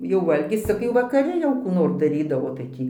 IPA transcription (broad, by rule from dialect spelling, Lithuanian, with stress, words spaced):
jɛʊ ˈʋɐlʲɡʲɪs ˈt͡sʲɪk jɛʊ ʋɐkɐˈrʲɪ jɛʊ kuː ˈnoːr dɐˈrʲiːdɐʋoː tɐɪ ˈtʲiː